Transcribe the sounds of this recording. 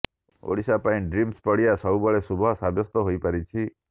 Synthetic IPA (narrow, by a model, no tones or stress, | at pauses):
o̰ɽisapaĩɖɾimspəɽijasɔubəɭesubʱɔɦsabʱjɔst̪ɔɦoipaɾit͡ʃʰi